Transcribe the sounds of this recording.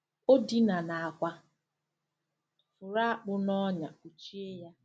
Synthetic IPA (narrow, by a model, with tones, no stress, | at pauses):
o˦di˦na˨na˨a˨kʷa˦ | fʊ˨ɾa˦a˦k͡pʊ˦nɔ˦ɲa˨ku˨t͡ʃi˦e˦ja˦